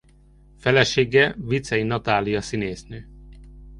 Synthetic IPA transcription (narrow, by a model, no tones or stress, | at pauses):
fɛlɛʃeːɡɛvit̪sɛinɒt̪aːlijɒsineːsnøː